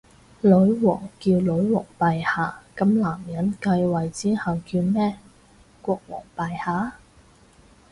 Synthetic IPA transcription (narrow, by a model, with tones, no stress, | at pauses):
lɵ˨˥ɥwɔː˨˩ŋkiː˧wlɵ˨˥ɥwɔː˨˩ŋpaː˨jhaː˨˧kɐ˧mlaː˨˩mjɐ˨˥nkɐ˧jwɐ˨jt͡siː˥hɐ˨wkiː˧wmɛː˥ | kʷɔː˧k̚wɔ̰ː˨˩ŋpaː˨jhaː˨˥